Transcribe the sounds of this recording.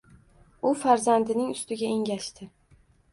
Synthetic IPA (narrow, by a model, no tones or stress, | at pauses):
ʊfaɾzand̪ɪnɪŋʊst̪ɪɡʲaeŋɡʲaʃt̪ʰɪ